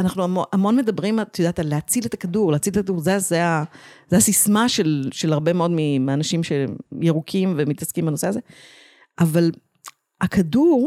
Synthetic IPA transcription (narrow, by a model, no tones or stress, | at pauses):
anaχnuamoʔamo̞nme̞d̪ɐbʁimat̪jod̪aːt̪alːeat͡silet̪akaduʁleːt͡silet̪akaduʁzezeazeasismaʃe̞lʃelaʁbe̞meod̪mimianɐʃimʃe̞jeʁukʰimvemit̪ɐskimbano̞seaze | ʔaval | akʰaduʁ